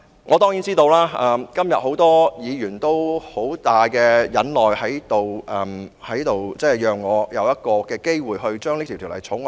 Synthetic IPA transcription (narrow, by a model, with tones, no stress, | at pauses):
ŋʔɔː˨˧t̪ɔː˥ŋjiː˨˥nt͡siː˥t̪o˧wlaː˥ʔɐː˧mkɐ˥mjɐ˨t̚ho˨˥wt̪ɔː˥jiː˨˧jyː˨˩nt̪o˥who˨˥wt̪aː˨jkɛː˧jɐ˨˥nlɔː˨˩jhɐ˨˥jt̪o˨wʔɛː˨mhɐ˨˥jt̪o˨wt͡sɛː˥˩jœː˨ŋːɔː˨˧jɐ˨˧wjɐ˥t̚kɔː˧kɛː˧ke˥jwuː˨jɦɵ˧ɥt͡ʃœː˥ŋle˥kt̪ʰi˨˩t̪ʰːlɐ̰˨˩jt͡sʰʊ˨˥ŋ